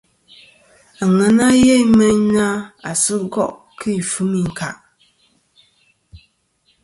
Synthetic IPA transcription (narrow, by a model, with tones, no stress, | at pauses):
a˨ŋɛ˦na˦jɛ˦mɛ˦ɲna˦a˨sɨ˦ɡɔ˦ʔ | kɨ˦˨fɨ˦mi˨ŋ̩˨ka̰˨ʔ